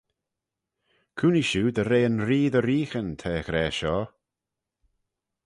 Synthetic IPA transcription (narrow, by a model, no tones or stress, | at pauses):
kʰuːniʃuːd̪əɾeːənɾiːðəɾiːxənt̪ʰɛːxɾɛːʃɔː